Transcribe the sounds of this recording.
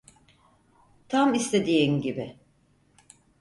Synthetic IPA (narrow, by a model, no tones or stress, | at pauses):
t̪ʰamist̪ʰe̞d̪ijinɟibɪ